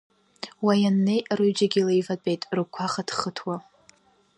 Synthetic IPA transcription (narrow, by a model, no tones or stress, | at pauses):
wajanːejrɨɥd͡ʒaɡʲilejvat͡pʼejtʼrɨkʷʰaχad̥χətʰwa